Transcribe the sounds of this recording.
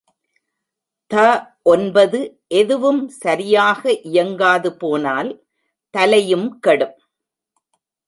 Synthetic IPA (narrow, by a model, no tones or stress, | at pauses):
t̪ɐʔɔnbɐðɯ | ʔɛðɯʋɯmsɐɾɪjaːɣɐʔɪjɐŋɡaːðɯpoːnaːl | t̪ɐlɐjɯmkɐɽɯm